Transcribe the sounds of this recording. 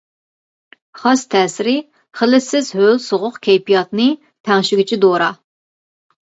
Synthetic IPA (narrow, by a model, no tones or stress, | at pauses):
χɑst̪ʰɛːsɪɾɪ | χəlɪsɪzɦølˠsoʁʊqkʲʰɛjpijɑt̪nɨ | t̪ʰæŋʃɪɡʲit͡ʃʰid̪oɾɑ